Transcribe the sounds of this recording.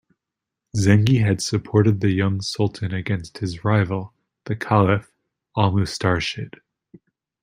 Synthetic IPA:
zɛ̃ŋɡiɨd̥sɨpʰɔɹɾɨd̪̚ðɨjʌ̃ŋsʌlˠʔn̩ɨɡɛ̃nst̚hɨzɹaɪvl̩ˠ | ðɨkʰælˠɨf | ɔlˠmoʊstɑɹʃɪt̚

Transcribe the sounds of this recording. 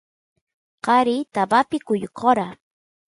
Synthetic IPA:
qɑɾɪt̪abapɪkʊjqʰoɾa

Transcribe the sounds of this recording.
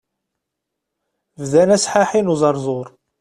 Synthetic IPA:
vðænæsħaħinuzˤɑɾˤzˤoɾˤ

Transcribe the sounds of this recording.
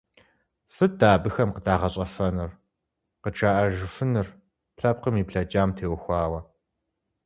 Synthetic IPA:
sɨdaːbɨxɐmqədaːʁɐɕʼɐfɐnɨr | qəʈ͡ʂʰaːʔɐʒɨfɨnɨr | ɬɐp̚qəmiːpɬɐt͡ʃʼaːmtʰeːwxʷɑːwɐ

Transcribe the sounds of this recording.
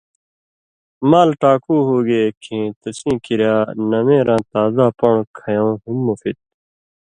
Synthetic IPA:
maːlʈaːkuːɦoːɡeːkʰĩːt̪ɐsĩːkiɾjaːnɐmẽːɾãːt̪aːzaːpɐɳkʰɐjõːɦumːofit̪̚

